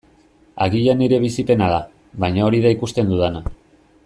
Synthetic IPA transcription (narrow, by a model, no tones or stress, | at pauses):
aɣiʎaniɾe̞β̞isipe̞naða | βajɲao̞ɾiðaikust̪e̞nd̪uðana